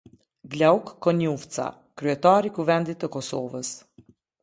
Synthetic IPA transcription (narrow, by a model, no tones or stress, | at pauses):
ɡlaukːɔnuft͡sa̰ | kɾyɛt̪aɾikuvɛnd̪it̪ːəkɔsɔvəs